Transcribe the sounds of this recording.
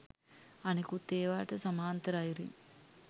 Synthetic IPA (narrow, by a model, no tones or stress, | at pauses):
ɐnikut̪eːʋaːʈɐsɐmaːnt̪ɐɾaːjɾḭŋ